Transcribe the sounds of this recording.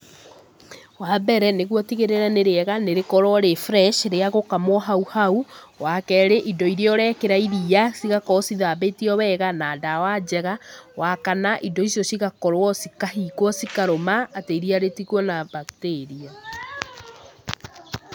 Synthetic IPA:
waːbɛɾɛneɣwɔtiɣeɾeɾɛneɾeɛɣaneɾekɔɾwɔɾefɾɛʃɾeaɣokamwɔɦauhauwakɛɾeʔidɔiɾeɔɾɛkeɾaiɾiasiɣakɔɔsiðabetiɔwɛɣanaːdawad͡ʑɛɣawakanaʔidɔisjɔsiɣakɔɾwɔsikaɦiːkwɔsikaɾomaːteiɾiaɾetiɣwɔnaβateːɾia

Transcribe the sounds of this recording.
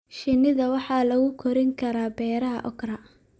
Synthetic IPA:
ʃɪnɪðɐwɑħɑːlɐɣʊkʰɔɾɪŋkʰɐɾaːbɛːɾɐɦɐʔɔkrɐ

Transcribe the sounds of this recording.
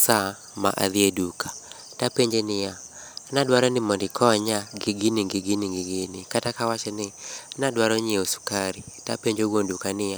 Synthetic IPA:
sa | ma̰ʔa̰ðɪedukḁ | tapeɲd͡ʒenɪjanadwaɾɔnɪmɔndɪkʰɔɲaɡɪɡinɪŋɡɪɡinɪŋɡɪɡɪnɪkatakawat͡ʃɛnɪnadwaɾɔɲeosu̥kaɾitapeɲd͡ʒoɡondukanɪja

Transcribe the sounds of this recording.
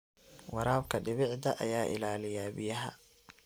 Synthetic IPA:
wɑɾaːbkʰɐɖɪβɪʕd̪ɐʔɐjaːʔɪ̰laːlɪjaːbɪjɐɦɐ̰

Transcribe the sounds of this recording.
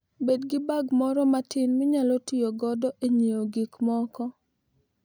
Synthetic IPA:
bedɡɪbaɡmɔɾɔmatɪnmɪɲalɔtijoɡɔdɔʔeɲioɡikmɔkɔ

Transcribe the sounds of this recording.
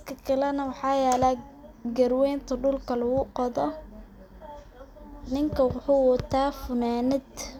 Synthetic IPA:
kʰɐkʰɐlɐnɐwɑħɑːjɛːlɐɡɐɾwɛːnt̪ʰɐɖʊlkʰɐlɐwʊqɑðɔ | nɪŋkʰɐwʊħuwɔt̪ʰaːfʊnaːnɪd̪

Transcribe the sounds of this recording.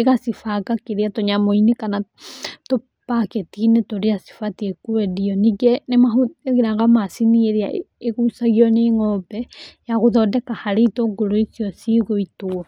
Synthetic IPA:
eɣasifakakeɾeatoɲamoinekanato | paketinetoɾiasi̥fatiekuɛdiɔniɡɛnemahueɣeɾaɣamasinieɾeaeɣusaɣiɔneːŋɔpɛjaɣoðɔdɛkahaɾetoɡoɾoisiɔsiɣoituɔ

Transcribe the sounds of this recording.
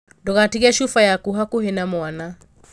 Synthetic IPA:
ndoɣatiɣɛʃufajakuɦakoɦenamwana

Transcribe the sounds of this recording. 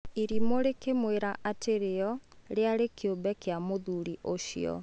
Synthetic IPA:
iɾimoɾekemweɾaʔateɾejɔɾeaɾekʰeobɛkeamoðuɾiʔoʃḭɔ̰

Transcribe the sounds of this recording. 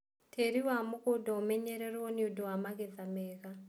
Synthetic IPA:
tʰeɾiwamuɣodɔmɛɲɛɾɛɾwɔniudɔwamaɣeðamɛːɣa

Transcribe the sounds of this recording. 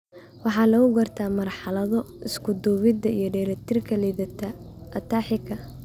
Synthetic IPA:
wɑħɑːlɐɣʊɡɐrt̪ʰaːmɐrħɑlɐðɔ | ɪskʰʊd̪uːβɪd̪ɐijɞɖɛːlɐt̪ʰɪrkʰɐliðɐt̪ʰɐɐt̪ʰaːħɪkʰɐ

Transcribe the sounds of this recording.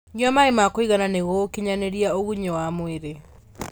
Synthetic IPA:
ɲiamaemakoiɣananeɣokiɲaneɾiaoɣuɲɔwamweɾe

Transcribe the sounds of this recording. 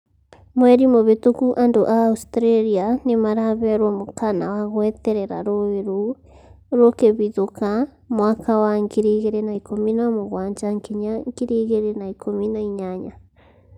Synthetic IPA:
mwɛɾimoβetokuʔandoʔaustɾeɾianemaɾaβɛɾwɔmokana̰waɣwɛtɛɾɛɾa̰ɾoeɾu | ɾokeβiðoka | mwakʰawaŋkiɾiɣeɾɛnaikominamoɣwaːɲd͡ʒaŋkiɲaŋkiɾiɣeɾɛnaikʰominaiɲaɲa

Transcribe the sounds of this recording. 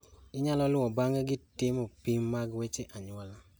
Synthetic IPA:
iɲalɔlʊɔbaŋɛɡitɪmopimːaɡwet͡ʃeʔaɲala

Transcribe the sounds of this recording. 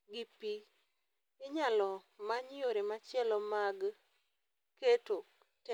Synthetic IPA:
ɡipi | ɪɲalɔmaɲɪoɾemat͡ʃɪɛlɔmaɡ | keto | t

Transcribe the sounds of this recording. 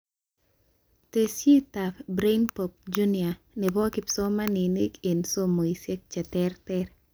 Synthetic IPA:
tesitafbɾenpop̚d͡ʒunia | nɪbɔkɪpsomaninikensomoisek̚t͡ʃɛtɛrtɛɾ

